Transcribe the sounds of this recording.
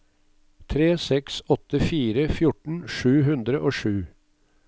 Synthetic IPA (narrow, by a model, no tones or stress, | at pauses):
t̪ʰɾeːsɛksɔt̪əfiːɾəfjʊʈɳ̩ʂʉːɦʉnd̪ɾəʔoːʂʉː